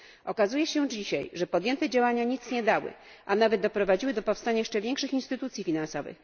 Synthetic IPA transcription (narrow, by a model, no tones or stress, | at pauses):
ʔɔkazujɛɕɛd͡ʑiɕajʐɛpɔd̪jɛnt̪ɛd͡ʑawaɲaɲit̪sɲɛd̪awɘ̰ | ʔanavɛd̪̚d̪ɔpɾɔvad͡ʑiwɘd̪ɔpɔfst̪aɲajɛʂt͡ʂɛvʲjɛŋkʂɘxinst̪ɘt̪ut̪sʲjifʲinansɔvɘ̰x